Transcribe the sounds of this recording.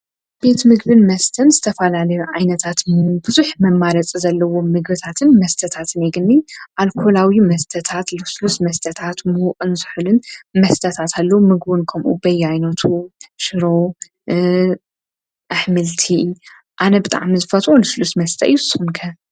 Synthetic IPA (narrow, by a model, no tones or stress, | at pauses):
b̥e̞t̪mɨɡbɨnmɐst̪ʰɐnzɨt̪ʰɐfɐlalɐjuʕajnɐt̪ʰat̪mbɨzuħmɐmːaɾɐt͡sʼizɐlːɐwo̞mːɨɡbɨt̪ʰat̪ʰɨnmɐst̪ʰɐt̪ʰat̪ʰɨneɡɨnːiʔalkʰolawimɐst̪ʰɐt̪ʰat̪lɨslusmɐst̪ʰɐt̪ʰat̪muhuqʼɨnzɨħɨlɨnmɐst̪ʰɐt̪ʰat̪ʰalːɐwmɨɡbɨnkʰɐmʔṵbɐjːajnɐt̪ʰuʃɨɾo | ʔaħmɨlt̪ʰi | ʔanɐbɨt̪ʼa̰ʕmizɨfɐt̪ʼolɨslust̪mɐst̪ʰɐ̰ʔɨjːusɨxunkʰɐ